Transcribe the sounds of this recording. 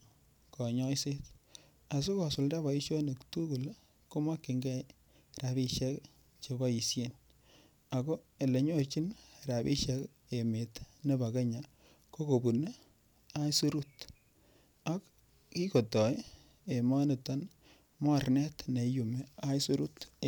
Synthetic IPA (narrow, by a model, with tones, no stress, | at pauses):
kɔ˨ɲɔ˦jse˦t | a˨s̬u˦kɔ˨sʊ˨lda˦ba˨i˦ʃo˦ne˨ktu˦ku˨l | ko˦ma˦kːɪ˨ŋɡɛ˦ | ra˨bi˦ʃɛ˦k | t͡ʃe˧ba˦ji˨sje˦n | a˨ko˦e˨le˨ɲo˦t͡ʃi˦nra˨bi˦ʃɛ˦k | e˨me˨tne˦ba˨ke˦ɲa˨ | ko˦ko˨bu˨ne˦ | a˦i˦su˦ɾu˦t | a˦k | ki˦ko˨tɔ˨˦ | e˨ma˦ne˨ta˦n | mɔ˦˨rnɛ˦tne˨ju˨me˨a˦i˦su˦ɾu˦t